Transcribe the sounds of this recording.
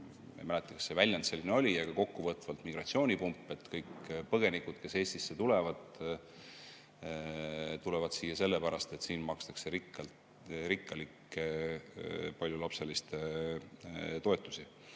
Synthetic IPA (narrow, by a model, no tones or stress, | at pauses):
ḛmælɛt̪ːˑekɑ̥sːe̞vælʲjɑnse̞lːineolʲijɑɡ̥ɑko̞kːuvɤːt̪ːˑvɑlt̪miɡrɑt̪sio̞ːnʲipumpːˑe̞t̪ːkɤjkpɤɡ̥e̞nikud̪̥ke̞se̞ːst̪isːe̞t̪ule̞vɑd̪̥ | t̪ulɛvɑd̪̥siːjɑse̞lːepæɾɑst̪e̞t̪siːnmɑkst̪ɑ̥kseɾikːɑl | ɾikːˑɑlikːe | pɑlʲjulɑpse̞list̪e | t̪o̞e̞t̪ːˑu̥si